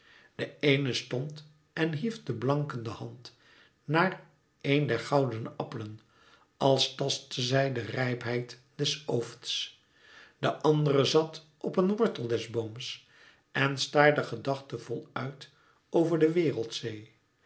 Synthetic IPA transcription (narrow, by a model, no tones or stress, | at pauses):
d̥əejnəstɔnt | ɛnɦifdəblɑŋkəndəhɑnt | naːr | ejndɛɹχɑwdənɑpələn | ɑlˠstɑstəzɛjdərɛjpɦɛjt | d̥ɛsowfts | d̥əʔɑndəɾəzɑt | ʔɔpənʋɔɹtəlˠdɛzboms | ɛnstaːɹdəχədɑχtəv̥ɔlˠœɥt | owvəɹdəʋɪːrəlˠtsej